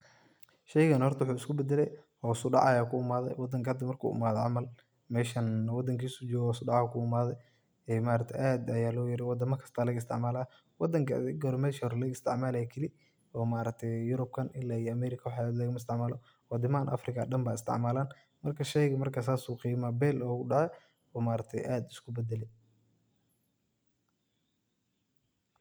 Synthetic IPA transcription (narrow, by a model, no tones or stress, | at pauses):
ʃɛjɣɐnhɔrt̪ʰwʊħuːɪskʰʊbɛd̪ɛlɛ̰jhɔsʊɖɑ̰ʕɑjaːkʰʊʊmaːðɛ̰jwɑd̪ɐŋkʰɐhɐd̪ːɐmɐrkʰṵːʔʊ̰maːðɔʕɑmɐl | mɛːʃɐnwɑd̪ɐŋkʰiːsut͡ʃɔːɣɔːsʊɖɑʕaːkʰʊʊmaːðɛj | ɛmaːɾɐk̚t̪ʰɛʔaːd̪ɐjaːlɔːjɐɾɪwɑd̪ɐmɐkʰɐ̥st̪ʰaːlɐɣɐɪst̪ɪʕmaːlaː | wɑd̪ɐŋkʰɐ̰d̪ɪɡɔɾɔmɛːʃɐɾlɐɣɐɪst̪ʰɪʕmaːlɐjkʰɪlɪ | ɔːmaːɾɐɡ̚t̪ʰɛjjʊɾʊb̚kʰɐnɪlːaːijɔɐmɛːɾɪkʰɐwħɑlɐɣmɐɪs̬t̪ʰɪʕmaːlɔ | wɑd̪ɪmaːnʔɐ̰frɪkʰɐɖɐmbaːɪst̪ʰɪ̰ʕmaːlaːn | mɐrkʰɐʃɛjɣɐmɐrkʰaːs̬aːsuːqiːmaːbɛːlɔːɣʊɖɑʕɛ | ɔːmaːɾɐɡ̚t̪ʰɛjʔaːd̪ɪskʰʊbɛd̪ɛlɛj